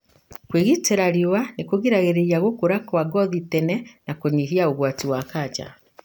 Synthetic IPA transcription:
kweɣiteɾaɾiwanekoɣiɾaɣeɾeɾiaɣokoɾakwaɡɔðitɛnɛnakoɲiɦiaoɣwatiwakaːd͡ʒa̰

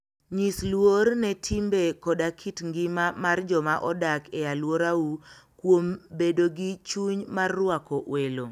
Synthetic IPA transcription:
ɲislwornɛtʰimbekɔdakʰitŋɡɪmamard͡ʒɔmaʔɔdakejalwoɾaukwombedoɡit͡ʃuɲmarːwakɔʔwelo

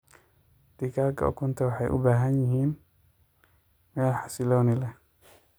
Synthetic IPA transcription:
d̪̥ikʰaːkʰɐ̰ɔ̰kʰʊnt̪ʰɐwɑħɑ̰jʔʊ̰baːɦɐnjɪɦiːn | mɛːlħɑsɪlɔːnɪlɛ

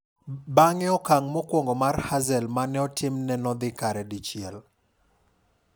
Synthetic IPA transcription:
baŋɛɔkaŋmɔkwɔŋɡɔmarhazɛlmanɛɔtʰɪmnɛnɔd̪ɪkaɾɛdit͡ʃjɛl

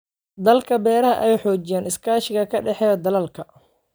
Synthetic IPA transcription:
d̪ɐlkʰɐbɛːɾɐɦɐʔɛɛjħɔːt͡ʃɪjaːnɪskʰaːʃɪɣɐkʰɐɖɛħɛːd̪ɐlɐlkʰɐ

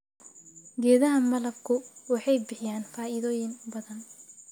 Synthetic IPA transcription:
ɡɛːðɐɦɐmɐlɐb̚kʰʊwɑħɑjbɪħɪjaːnfaːɪðɔːjɪnbɐðɐn

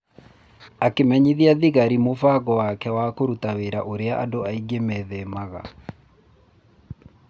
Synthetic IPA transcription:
akemɛɲiðiaðiɣaɾimofaɣɔwakɛwakoɾutaweɾa̰ʔoɾeaʔadoaiɡemɛðɛmaɣa̰

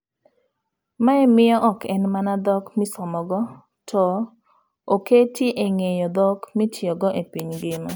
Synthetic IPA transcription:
maɛmɪjɔʔɔkʰɛnmanad̪ɔkmɪsɔmɔɡɔ | tʰɔ | oketjeʔeŋejɔd̪ɔkmitjɔɡɔʔepiɲɡɪma

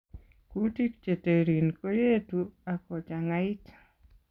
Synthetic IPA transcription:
kutik̚t͡ʃeteɾinkojetuakɔt͡ʃaŋaitḁ

